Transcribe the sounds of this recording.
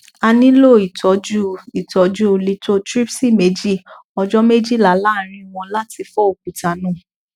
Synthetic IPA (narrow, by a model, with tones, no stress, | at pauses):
a˧nĩ˦lo˦˨i˨tʰɔ˨˦d͡ʒu˦i˨tɔ˨˦d͡ʒu˦˨li˨˦to˦tɾi˦psi˦˨me˨˦d͡ʒi˦˨ | ɔ˧d͡ʒɔ˦me˦d͡ʒi˦˨la˨˦la˦˨ɾ̃ĩ˧˦w̃ɔ̃˧la˦ti˧fɔ˦o˨k͡p̚u˨ta˨˦nũ˦˨